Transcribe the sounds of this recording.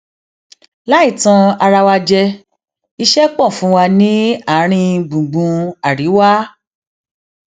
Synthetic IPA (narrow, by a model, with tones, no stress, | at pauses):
la˦i˦˨tã˧a˧ɾa˧wa˧d͡ʒɛ˧ | i˧ʃɛ˦k͡pɔ̃˦˨fũ˨˦wa˧nĩ˦a˦˨˦ɾ̃ĩ˧ɡ͡bũ˨ɡ͡bũ˧a˨ɾi˨˦wa˦